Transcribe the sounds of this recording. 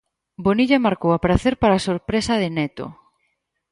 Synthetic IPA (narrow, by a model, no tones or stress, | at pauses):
boniʎamaɾkowapɾaθeɾpaɾasoɾpɾesɐð̞ɪnɛt̪o̰